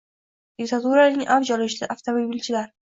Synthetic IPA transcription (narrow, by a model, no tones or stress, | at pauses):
d̪̥ɪkt̪ʰat̪uɾanɪŋʔavd͡ʒɒlɪʃlɪʔaft̪ʰomobilt͡ʃʰɪlaɾ